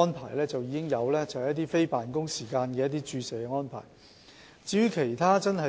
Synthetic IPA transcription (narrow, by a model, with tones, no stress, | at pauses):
ɔː˥npʰa̰ː˨˩jlɛː˥t͡sɐ˨wjiː˨˧kɪ˥ŋjɐ˨˧wlɛː˥t͡sɐ˨whjɐ˥t̪̬iː˥fe˥jpaː˨nkʊ˥ŋsiː˨˩kaː˧nkɛː˧jɐ˥t̪iː˥t͡ʃyː˧seː˨˩kɛ˧ŋɔː˥npʰa̰ː˨˩j | t͡siː˨˧ɥyː˥kʰe˨˩jt̪ʰaː˥t͡sɐ˥nɦɐ˨